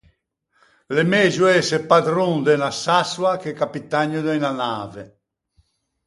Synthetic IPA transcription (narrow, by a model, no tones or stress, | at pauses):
lemɛːzuɛsepad̪ɾund̪ɛnasaswakekapit̪aɲːud̪ɛinanaːvɛ